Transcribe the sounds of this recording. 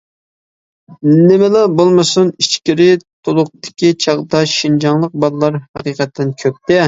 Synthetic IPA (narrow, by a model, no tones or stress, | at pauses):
nɪmɛlɛbolˠmɨsunit͡ʃkʲiɾɪt̪ʰolˠʊq̚t̪ɪ̥kʲit͡ʃʰɑʁd̪ɑʃind͡ʒɑŋlˠəq̚bɑlˠlˠɑɾhɑqiːqʰɛt̪ʰːɪnkʲʰøp̚t̪ɛ